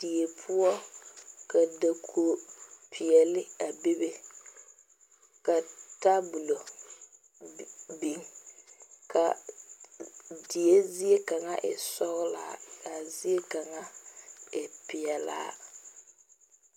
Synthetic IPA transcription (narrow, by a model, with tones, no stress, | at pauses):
d̥i˨e˨pʰʊ˦ɔ˦ka˨da˨kʰo˨pʰɪ˨ɛ˨lɪ˦a˨bi˦be˦ | ka˨ta˦bʊ˨lo˨ | bi˨˦ŋ | kʰa˨ | di˨e˦zi˦e˦ka˨ŋa˦ʔɪ̰˨sɔ˦ɣla̰ː˦˨˦ka˨zi˦e˦ka˨ŋa˦ɪ˨pɪ˨ɛ˨la̰ː˦